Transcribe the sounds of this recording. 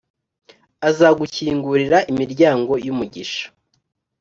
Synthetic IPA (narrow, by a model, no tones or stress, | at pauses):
azaɡuciːŋɡuɾiɾaʔimiɾɟaːŋɡo̞jumuɟiʃḁ